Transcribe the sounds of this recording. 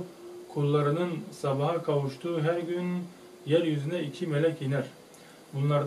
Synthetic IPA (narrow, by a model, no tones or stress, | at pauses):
kʰulˠːɑɾɯnɯnsɑbɑɦɑkʰɑwuʃt̪ʰuɦæɾɡʲyn | jæɾjyzɪnɛikʲʰimɛlɛkʲjenæɾ | bunlˠɑɾ